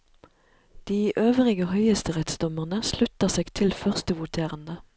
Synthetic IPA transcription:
d̪̥iːʔøːʋəʁɪɡəhœʏəst̪əʁɛt̪sd̪ɔməʁnəslʉt̪əʁseːɡ̥t̪ʰɪlfœʁst̪əʋʊt̪ʰeːʁənd̪ə

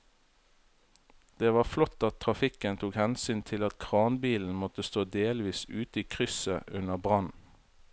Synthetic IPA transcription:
d̪̥eːʋɑːflɔt̪ɑt̪ʰʁɑfɪkənt̪ʰuːkhɛnsyːnt̪ʰɪlɑt̪kʰʁɑːnbiːln̩mɔt̪əst̪oːd̪eːlʋiːsʉːt̪əiːkʰʁʏsə̰ʔʉnəbʁɑn

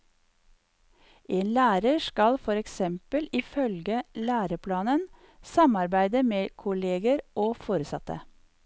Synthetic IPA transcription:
ʔeːnlæːɾəʃkɑlfɔɾɛksɛmpəlɪfœlɡəlæːɾəpʰlɑːnən | sɑmɑɾbæɪd̪əmeːkʰʊleːɡəɾʔoːfoːɾəsɑt̪ə̰

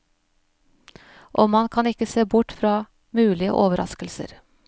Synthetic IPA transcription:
ʔoːmɑnkʰɑnɪkəseːbʊʈfɾɑː | mʉːlɪə̰ʔoːʋəɾʔɑ̰skəlsə̰ɾ

